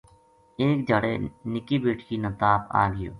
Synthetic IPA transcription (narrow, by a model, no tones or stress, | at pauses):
eːk̚d͡ʒaːɽḛːnɪkiːbeːʈʰkiːnət̪aːpa̰ːɡɪjo̰ː